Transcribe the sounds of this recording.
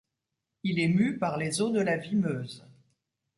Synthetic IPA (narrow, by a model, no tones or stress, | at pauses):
ilɛmypaʁlezod̪əlavimøːz